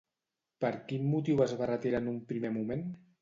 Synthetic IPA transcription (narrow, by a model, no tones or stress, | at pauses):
pəɾkinmut̪iwəzβarət̪eɾanumpɾimemumen